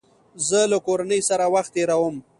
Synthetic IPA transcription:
zəlakoɾanəjsaɾawaxt̪ːeɾawəm

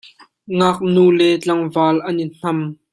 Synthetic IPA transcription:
ŋaːk̚nuːlɛt͡ɬɐŋvaːlʔɐnin̥ɐm

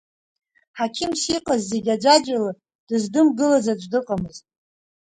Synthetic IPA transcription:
ħakʲʰɪmsiqʼazːe̞ɡʲad͡ʒʷad͡ʒʷala | d̥ɨzdɨmɡɨlazad͡ʒʷdɨqʼamɨztʼ

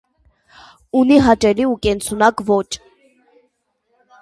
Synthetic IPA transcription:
uniɦɑt͡ʃɛliukɛnt͡sʰunɑkvɔt͡ʃʰ

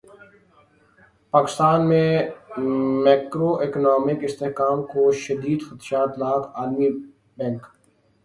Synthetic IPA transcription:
paːkɪst̪aːnmẽ | mɛːkɾoʔɪknaːmɪkɪst̪eɦkaːmkoʃɐd̪iːd̪xɐt̪ʃaːt̪laːkaːlmi | bɛ̃ŋk

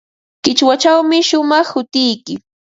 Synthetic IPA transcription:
kɪt͡ʃwat͡ʃawmɪʃʊmɑχhʊt̪ɪjkɪ

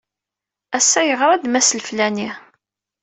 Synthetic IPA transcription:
æsːæjəʁɾˤɑd̪mæsəlflæni

